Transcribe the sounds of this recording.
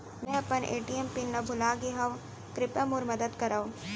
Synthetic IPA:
mɛ̃ɐpənʔḛːʈiempinːɐbʱʊlaːɡeɦɐʋ | kɾɪpamuːɾmɐd̪əd̪kɐɾaːo

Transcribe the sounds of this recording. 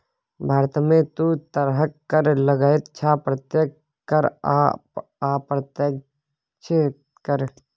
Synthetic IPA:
bʱaːɾt̪mẽt̪ut̪ɐɾɦəkːɐɾləɡaːet̪t͡ʃʰaːpɾət̪jek | kɐɾ | aːpɾət̪ə | t͡ʃʰet̪ | kəɾ

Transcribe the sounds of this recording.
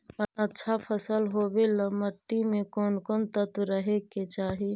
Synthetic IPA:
əətːʃʰapʰəsəlɦoːbeləməʈːimẽkɔːnkɔːnt̪ət̪ɾəɦeket͡ʃaːɦi

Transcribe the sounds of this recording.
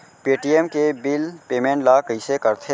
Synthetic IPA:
peːʈiemkebɪlpeːmẽːɳʈlakəisekɐɾt̪ʰe

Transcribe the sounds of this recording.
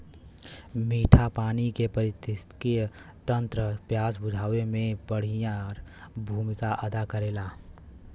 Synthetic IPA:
miːʈʰapaːnikepəɾɪt̪ɪst̪kijə | t̪ə̃nt̪ɾəpjaːsbʊd͡ʒ̪ʱaːwemẽbəɽ̤ijãɾbʱuːmɪkaʔəd̪akəɾeːlaː

